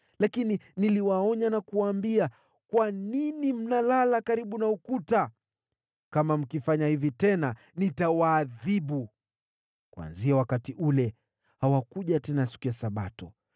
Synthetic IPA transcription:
lakininiliwaɔɲanakuwaːmbia | kwaninim̩nalalakaɾiɓunaukuta | kamam̩kifaɲahivitɛna | nitawaːðiɓu | kwa̰nziawakatiʔulɛ | hawakuʄatɛnasi̥kujasaɓa̰tɔ

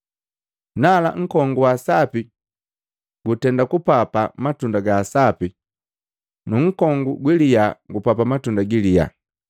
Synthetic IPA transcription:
nala̰ŋ̩kɔŋɡuwasapi | ɡ̥utɛndakupapamatundaɡasapi | nuŋ̩kɔŋɡuɡwilijaɡupapamatundaɡilija̰

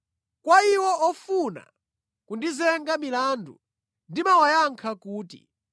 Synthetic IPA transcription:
kwaiwɔɔfuna̰ | kundizɛŋɡamilandṵ | ndimawajaŋkʰakuːtḭ

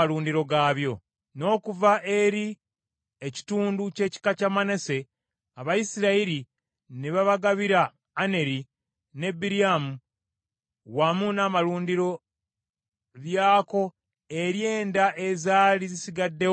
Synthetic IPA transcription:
aɾuːndiɾo̞ɡaːβjo̞ | no̞ːkuvaʔe̞ɾi | eci̥tuːnduce̞ːci̥kacamane̞se̞ | aβajisiɾaiɾi | neβaβaɡaβiɾaː | ne̞ɾi | ne̞biɾiamu | wamunaːmaluːndiɾo̞ | βjaːko̞ | e̞ɾje̞ːndaʔezaːlizisiɡadːe̞

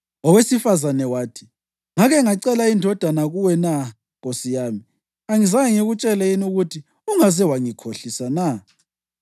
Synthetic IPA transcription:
ɔwesifazanɛwaːtʰi̥ | ŋaɣɛŋaǀɛlaindʱɔd̥ʱanaɣuwɛna | ɣosijami | aŋizajɛŋeɣut͡ʃʼɛlɛjinuɣutʰi | uŋazɛwaŋikʰoɬisana

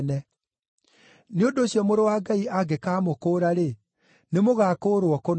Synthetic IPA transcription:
nɛ | neondoːɕiɔmoɾowaɡaiaɡekaːmokoːɾaɾe | nemoɣaːkoːɾwɔkon

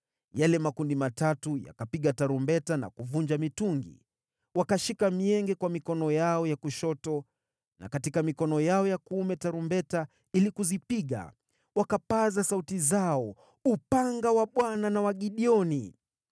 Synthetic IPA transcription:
jalɛmakundimatatuja̰kapiɠataɾumbɛtana̰kuvuɲd͡ʒamituŋɡḭ | wakaʃikamiɛŋɡɛkwamikɔnɔjaɔjakuʃɔtɔ | na̰katikamikɔnɔjaɔjakuumɛtaɾumbɛta | ilikuzipiɠa̰ | wakapazasautizaɔ | upaŋɡawaɓwananawaɠiɗiɔni

